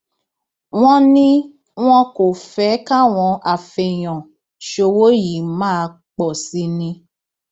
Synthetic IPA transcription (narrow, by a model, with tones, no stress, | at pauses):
w̃ɔ̃˦nĩ˦ | w̃ɔ̃˦ko˨fɛ˨˦ka˦w̃ɔ̃˧a˨fɛ˧˨j̃ɔ̃˨ | ʃo˧wo˦ji˨˦mãː˦˧ | k͡pɔ˨si˧˦nĩ˧